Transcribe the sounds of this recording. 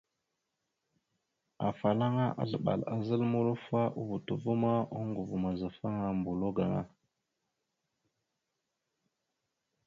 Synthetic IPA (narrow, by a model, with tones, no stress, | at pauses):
a˨fa˨la˦ŋa˦ʔa̰˦ɮə˨ɓa̰˨la˨zə˦lmu˦ɾu˦fa˦ʔu˦vu˨tu˨vu˦ma˦u˦ŋɡu˨vu˨ma˨za˨fa˦ŋa˦mbu˨lo˦ɡa˨ŋa̰˦